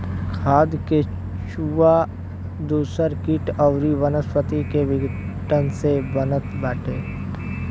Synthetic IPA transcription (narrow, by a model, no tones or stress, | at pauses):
kʰaːd̪ke | ʃua | d̪uːsəɾkiʈəʊɾiʋənəspət̪ikeʋɪɡ | ʈənsebənət̪bɛːʈʰeː